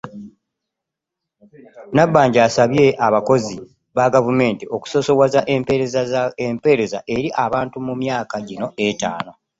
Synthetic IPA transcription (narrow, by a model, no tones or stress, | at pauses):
nabːaːɲɟaːsaβje̞ʔaβako̞zi | βaɡavume̞ːntiʔo̞ku̥so̞so̞wazaʔempeɾezaempe̞ɾe̞za̰ʔe̞ɾiʔaβaːntumumjaːkaɟino̞ʔeta̰ːno̞